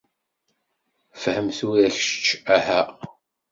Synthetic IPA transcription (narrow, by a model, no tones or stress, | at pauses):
fəhəmθuæçʃə̥t͡ʃːæhæ